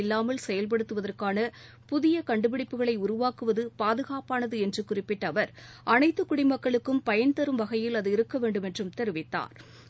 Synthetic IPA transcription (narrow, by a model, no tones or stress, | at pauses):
ɪlːaːmɐlsɛjɐlp̬ɐɽɯt̪ːɯʋɐðɐrkaːnɐ | pʊðɪjɐkɐɳɖɯpɪɽɪpːɯɣɐɭɐɪʊɾʊʋaːkɯʋɐðɯpaːðɯɣaːpaːnɐðɯɛndrɯkʊrɪpːɪʈːɐʋɐɾ | ʔɐnɐɪt̪ːɯkːʊɽɪmɐkːɐɭɯkːɯmpɐjɐnt̪ɐɾɯmʋɐɣɐjɪlɐðɯɪɾɯkːɐʋeːɳɖɯmɛndrɯmt̪ɛɾɯʋɪt̪ːa̰ːɾ